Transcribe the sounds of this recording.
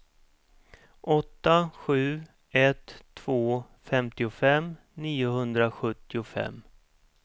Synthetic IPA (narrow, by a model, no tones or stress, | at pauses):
ʔɔt̪ːaɧʉ̟ː | ɛt̪ʰːv̥oː | fɛmt̪ɪʊfɛm | niːʊɦɵnd̪ɾaɧɵt̪ːɪʊfɛ̰mː